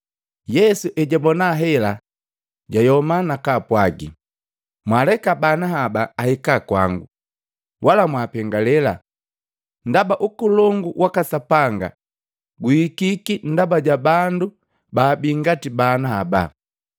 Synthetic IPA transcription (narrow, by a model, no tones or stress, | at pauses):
jɛsuʔɛɟabɔnaɦɛla | ɟajɔmanakapwaɡḭ | mwalɛkabanaɦabaːhɛkakwa̰ŋɡu | wʔalamwapɛŋɡalɛla | ndabaʔukulɔŋɡuwʔakasapaŋɡa̰ | ɡuikikin̩dabaɟabandu | baːbiŋɡatibanahaba̰